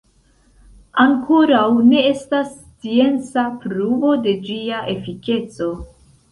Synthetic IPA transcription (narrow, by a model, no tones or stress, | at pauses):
aŋkʰo̞ɾawne̞e̞stas | t͡sie̞nt͡sapɾuvo̞de̞d͡ʒiaʔe̞fike̞t͡so̞